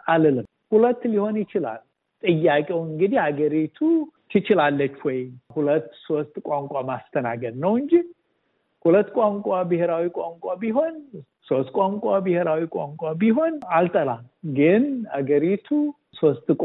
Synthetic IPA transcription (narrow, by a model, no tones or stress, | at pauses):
ʔalɨlɨm | hulət̪ːliho̞njɪt͡ʃɪla̰l | t̪ʼɨjːakʼewɨŋɡɨd̪ihaɡəɾit̪ʰut̪ʰɨt͡ʃɪlalːət͡ʃːwɔjhulət̪ːso̞st̪ʼkʼaŋkʷʼamast̪ʰənaɡəd̪nəwɨɲd͡ʒi | hulət̪ːkʼaŋkʼabɨheɾawikʷʼaŋkʼabiɦo̞n | so̞st̪kʼaŋkʼabɨheɾawikʷʼaŋkʷʼabiɦo̞nalt̪ʼəlalɡɨnhaɡəɾit̪ʰu | so̞st̪ʼkʼ